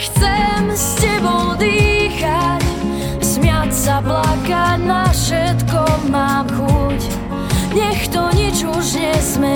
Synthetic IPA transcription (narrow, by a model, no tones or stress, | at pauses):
xt͡sɛmscɛbɔʊd̪iːxac | smɪatsablakanafʃɛt̪kɔmaːmxuc | ɲɛxt̪ɔɲid͡ʒuʒɲɛzmɛ